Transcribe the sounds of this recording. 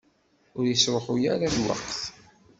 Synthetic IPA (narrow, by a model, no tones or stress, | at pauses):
ʊɾjəswəχujaɾaðwə̰qθ